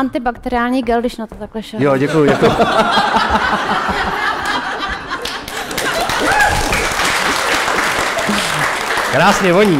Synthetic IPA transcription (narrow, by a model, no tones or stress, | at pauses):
ant̪ɪbakt̪ɛɾɪaːlɲiːɡɛldɪʃnat̪ot̪aklɛʃɛjoɟɛkujuɟɛkuju | kɾaːsɲɛvoɲi